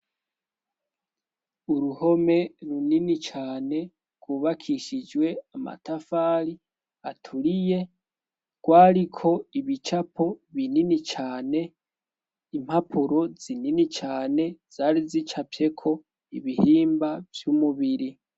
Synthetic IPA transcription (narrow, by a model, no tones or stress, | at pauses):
uɾuho̞me̞ɾuninit͡ʃaːne̞ | ɡ̥wuβakʰiʃid͡ʒwe̞ama̰tafaːɾi | atʰuɾije̞ | ɡ̥waːɾikʰo̞iβit͡ʃapʰo̞βininit͡ʃaːne̞ | im̥hapʰuɾo̞z̥ininit͡ʃaːne̞z̥aːɾizit͡ʃapje̞kʰo̞ | iβihiːmbavjumuβiɾi